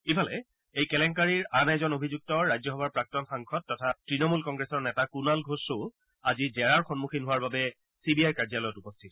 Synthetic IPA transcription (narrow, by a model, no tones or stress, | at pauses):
ibʰʱalɛ̰ | ejkɛlɛŋkaɹiɹanɛzɔnobʱizuk̚tɔɹajzɔɦɔbaɹpɹak̚tɔnxaŋkʰɔtːɔtʰatɹinɔmulkɔŋɡɹɛsɔɹnɛtakunalɡʱosʊ | azizɛɹaɹxɔnmuxʰinɦʊwaɹbabɛ | sibiajkaɹzalɔjɔtupɔstʰitɔ̥